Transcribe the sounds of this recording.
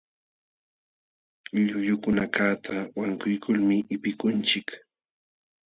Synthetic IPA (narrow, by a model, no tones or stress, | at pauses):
ʎʊʎʊkʊnakaːt̪ʰawaŋkʊjkʰʊlmɪʔɪpɪkʊnt͡ʃɪk